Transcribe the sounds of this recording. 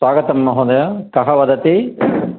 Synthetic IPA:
ʋaːɡɐt̪ɐmːɐɦoːd̪ɐjɐkɐɦɐʋɐd̪ɐt̪i

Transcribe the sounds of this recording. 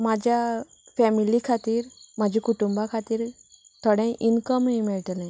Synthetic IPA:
mad͡ʑʱja | fɛmilikʰat̪iːɾmad͡ʑʱikuʈumbakʰat̪iːɾt̪ʰəɽɛ̃ʔinkəmɦĩmɛɭʈ̪lɛ̃

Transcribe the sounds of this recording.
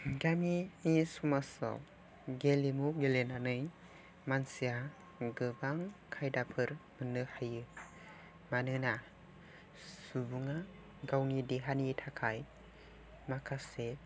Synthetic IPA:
ɡaminisumasɔ̰ | ɡelimuɡelenanɯj | mansia | ɡɯbaŋkʰajdapʰɯɾmɯnɯhajɯ | manɯna | subuŋa | ɡawŋideɦanitʰakʰaj | makʰase

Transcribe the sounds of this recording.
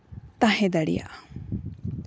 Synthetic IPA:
t̪aɦɛ̃d̪aɽḭja̰ʔ

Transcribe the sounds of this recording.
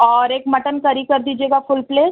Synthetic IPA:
ɔɾekməʈənkəɾiːkəɾd̪iːd͡ʑeɡafulples

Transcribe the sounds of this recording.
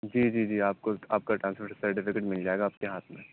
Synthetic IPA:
d͡ʒiːd͡ʒiːd͡ʒiːaːp̚koaːp̚kaʈɾãːnspoʈsɐɾʈɪfɪkeʈmɪld͡ʒaːeːɡaːp̚keɦaːt̪ʰmẽ

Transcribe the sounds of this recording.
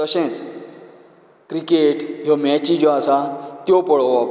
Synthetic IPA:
əɕɛ̃t͡s | kɾikeʈɦɔmɛt͡ɕĩd͡ʑɔasat̪jopəɭɔap

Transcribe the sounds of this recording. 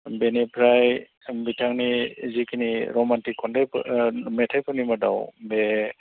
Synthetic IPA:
benipʰɾaj | bitʰaŋnizikʰiniɾɔmantikʰːɔndajpmetʰajpʰɔnimada̰wbe

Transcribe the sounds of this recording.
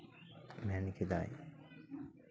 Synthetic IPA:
mæːniked̪a̰ːj

